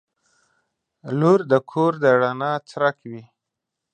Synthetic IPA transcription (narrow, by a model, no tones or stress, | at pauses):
luɾd̪əkʰoɾd̪əɽanɑt͡sɾakwi